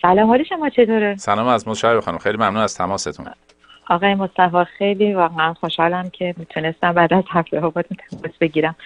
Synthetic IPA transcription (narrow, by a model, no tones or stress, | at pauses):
sælɒmhɒːleʃo̞mɒːt͡ʃʰe̞t̪ʰoɾesælɒːmæzmɔʃæbbexɑnimxejlimæmnunæz̥t̪ʰæmɒːset̪ʰṵnn | ɒːɣɒːjemost̪æfɒːxe̞jliːvæɣeænxoʃhɒːlæmcʰe̞mit̪ʰune̞st̪æmbæːd̪æzhæft̪eɦɒːbɒːt̪ʰunt̪ʰæmɔsb̥e̞ɟiːɾæm